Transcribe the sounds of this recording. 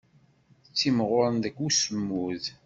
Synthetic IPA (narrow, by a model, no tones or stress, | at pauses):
ət͡sːimʁʊɾˤənd̪ækːusəmːuð